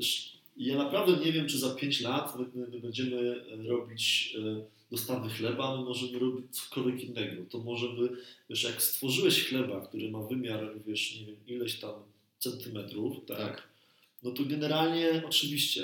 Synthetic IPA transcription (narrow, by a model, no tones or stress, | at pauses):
ɛʂ | janapɾavd̪ɛɲɛvʲjɛmt͡ʂɨzapʲjeɲt͡ɕlat̪mɘmɘbɛɲd͡ʑɛmɘɾɔbʲit͡ɕ | d̪ɔst̪avɘxlɛbaːmɘmɔʐɛmɘɾɔbʲit͡ɕt̪sɔ̥kɔlvʲjɛkinːɛɡɔt̪ɔmɔʐɛmɘvʲɛʂjakst̪fɔʐɘwɛɕxlɛbakt̪uɾɘmavɘmʲjaɾvʲjɛʂɲɛvʲjɛmilɛɕt̪am | t̪sɛnt̪ɘmɛt̪ɾuft̪ak | nɔt̪ɔɡɛnɛɾalɲɛɔt͡ʂɘvʲiɕt͡ɕɛ